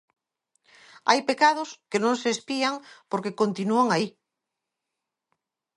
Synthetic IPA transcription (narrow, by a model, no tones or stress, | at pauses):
a̰jpekað̞oskenõŋseːspiaŋpoɾkekont̪inuaŋai